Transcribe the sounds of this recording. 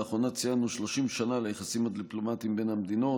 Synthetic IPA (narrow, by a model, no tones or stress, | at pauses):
aχo̞nat͡sijanuʃlo̞ʃimʃanalajeχasimad̪iplo̞mat̪iimbe̞nhamed̪ino̞